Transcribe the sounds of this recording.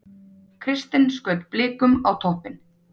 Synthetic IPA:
kʰɾɪst̪ɪnskœːɥt̪plɪːkʏmawt̪ʰɔhpɪn

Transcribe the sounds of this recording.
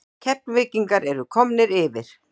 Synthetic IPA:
cʰɛp̚nvɪːciŋkaɾɛɾʏkʰɔmnɪɾɪvɪɾ̥

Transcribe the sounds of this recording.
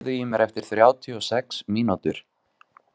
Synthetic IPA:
ðʏjimɛɾɛft̪ɪɾ̥θɾjaːwt̪ʰiɔsɛksmiːnat̪ʏɾ̥

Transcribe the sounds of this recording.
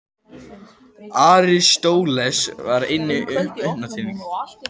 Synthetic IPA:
aːɾɪst̪oːwlɛsvaɾɪjnːɪʔʏhpnat̪ʰiːniŋka

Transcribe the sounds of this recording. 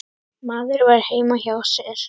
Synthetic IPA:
maːðʏɾvaɾ̥heːjmaçaːwsɛɾ̥

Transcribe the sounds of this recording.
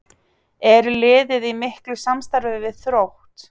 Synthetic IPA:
ɛɾlɪːðɪðimɪhklʏsamst̪aɾvɪvɪðθɾowht̪

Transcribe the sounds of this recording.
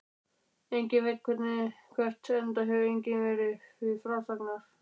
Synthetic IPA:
ejɲcɪnvɪðkʰɛt̪nɪkʰvɛr̥t̪ɛnt̪aɦɛvejɲcɪnvɛɾɪvɪfɾawsaknaɾ̥

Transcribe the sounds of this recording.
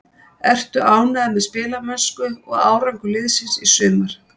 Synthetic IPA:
ɛr̥t̪ʏʔaːwnaðamɛðspɪːlamœnskʏɔɣa̰ːwɾaŋkʏlɪðsinsisʏːmʏɾ̥

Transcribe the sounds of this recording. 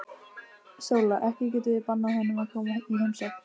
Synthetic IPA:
soːwlaʔɛhcɪcɛːt̪ɪpanːahɔnʏmakʰɔːmaiɦɛmsɛ

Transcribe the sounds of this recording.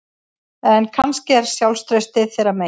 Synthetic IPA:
ɛnkʰanscɪɛɾ̥sjawlst̪ɾœɥst̪ɪθeːɾame

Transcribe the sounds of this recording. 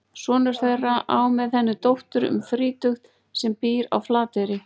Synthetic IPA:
svɔːnʏɾ̥θejrːaʔa̰ːwmɛðθɛnːɪt̪owht̪ʏɾʏ̰mfɾiːt̪ʏxt̪ | sɛmpiːɾa̰wflaːt̪ɪɾɪ

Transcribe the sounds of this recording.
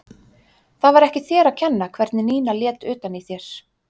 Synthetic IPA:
θavaɾɛhcɪθjɛːɾacʰɛnːakʰvɛɾt̪nɪniːnaljɛːt̪ʏːt̪aniθjɛɾ̥

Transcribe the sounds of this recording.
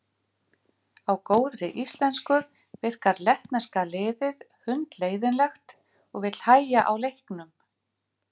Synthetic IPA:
awkoːwðɾɪʔist̪lɛnskʏ | vɪr̥kaɾlɛht̪naskalɪːðɪð | hʏnt̪leːjðɪnlɛxt̪ | ɔɣvɪt̪l̥haːjjaʔawlejhknʏm

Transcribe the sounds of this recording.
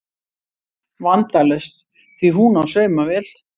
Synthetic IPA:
vant̪alɛst̪ | θviɦunawsœːɥmavɛl

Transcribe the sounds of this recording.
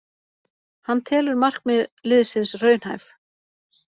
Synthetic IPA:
hanːt̪ʰɛːlʏɾmar̥k̚mɛðlɪðsɪnsrœːɥn̥ha̰jf

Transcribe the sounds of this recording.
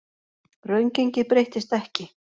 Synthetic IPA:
rœɥɲceɲcɪpɾejht̪ɪst̪ɛhcɪ

